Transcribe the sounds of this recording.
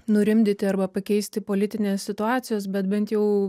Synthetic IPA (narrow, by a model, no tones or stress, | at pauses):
nʊɾʲɪmʲd̪ʲɪt̪ʲɪɐrbɐpɐkʲɛɪsʲt̪ʲɪpoːlʲɪt̪ʲɪnʲeːsʲsʲɪt̪ʊɑːt̪sʲɪjoːsbʲɛt̪bʲɛnt̪jɛʊ